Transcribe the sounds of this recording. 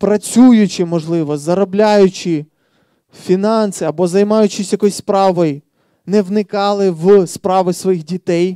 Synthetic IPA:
pɾɐt͡sʲujʊt͡ʃɪmɔʒlˠɪʋɔzɐɾɔblʲajʊt͡ʃɪ | fʲinɑnsɪɐbɔzɐjmɑjʊt͡ʃɪsʲjɐkɔjsʲspɾɑʋɔj | nɛʋnɪkɑlˠɪʋspɾɑʋɪsʋɔjixdʲit̪ɛj

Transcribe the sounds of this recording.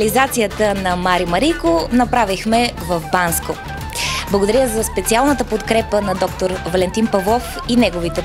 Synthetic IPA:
lizat̪sijət̪ənɐmaɾimɐɾikonɐpɾavixmɛvəvbansko | blˠɐɡod̪ɐəɾjəzɐspɛt̪sialˠnət̪əpot̪kɾɛpənɐd̪ɔk̚t̪oɾvɐlɛnt̪inpɐvlˠɔf | inɛɡovit̪ɛ

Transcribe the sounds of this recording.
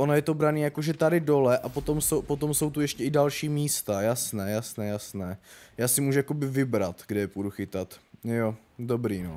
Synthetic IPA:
ʔonojɛt̪obɾaniːjakoʒɛt̪adɪdo̞lɛʔapot̪o̞mso̞wpot̪o̞mso̞wt̪ujɛʃcɛɪdalʃiːmiːst̪ajasnɛːjasnɛːjasnɛːjaːsɪmuːʒujako̞bɪvɪbɾat̪ɡdɛjɛpuduxɪt̪at̪jo | do̞bɾiːno

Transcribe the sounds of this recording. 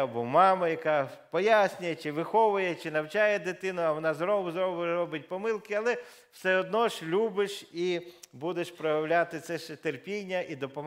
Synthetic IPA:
ɐbɔmɑmɐjɐkɑpɔjasʲnʲʊjɛt͡ʃɪʋɪxɔʋʊjɛt͡ʃɪnɐwt͡ʃɑjɛd̪ɪt̪ɪnʊɐʋɔnɑzɾɔbʊzɾɔbɾɔbɪt̚ʲpɔmɪlˠkɪɐlˠɛ | wsɛɔd̪nɔʃlʲubɪʃibud̪eʃpɾɔjɐwlʲat̪ɪt̪sɛʃɛt̪erpʲinʲːɐʔid̪ɔpɔm

